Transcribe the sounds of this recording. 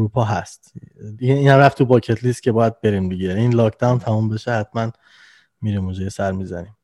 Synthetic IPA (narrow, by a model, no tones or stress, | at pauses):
uɾuːpʰɒːɦæst̪iiːnhæmɾæft̪ʰːubɒːcʰet̪ʰliːst̪̚cʰe̞bɒːjæd̪̚be̞ɾimd̪iɟeiːnlɒːkʰd̪æwnt̪ʰæmumbe̞ʃehæt̪ʰmæn | miːɾimod͡ʒejesæɾmiːzænim